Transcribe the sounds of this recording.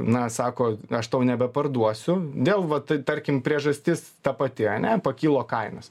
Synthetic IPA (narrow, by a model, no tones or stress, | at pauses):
nɐsɑːkoːɐʃt̪ɐʊnʲɛbʲɛpɐrd̪uɔsʲʊd̪ʲeːlˠʋɐt̪ɐɪt̪ɐɾʲkʲɪmpʲɾʲiɛʒɐsʲt̪ʲɪst̪ɐpɐt̪ʲɪɐnʲɛpɐkʲiːlˠoːkɐɪnɐs